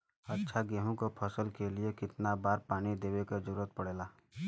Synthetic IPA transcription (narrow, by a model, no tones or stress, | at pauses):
ɐtːʃʰaɡeːɦõkopʰəsəlkeliekɪt̪nabaːɾpaːñid̪eːwekad͡ʒəɾuːɾət̪̚pɐɽeːlaː